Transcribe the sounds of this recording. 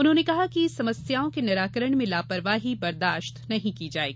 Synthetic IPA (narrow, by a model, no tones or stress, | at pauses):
ʊnɦõːnekɐɦakisɐməsjaːõkenɐɾaːkəɾəɽ̃mẽlaːpɐɾʋaːɦibɐɾd̪aːʃt̪nɐɦĩkid͡ʒaːḛːɡiː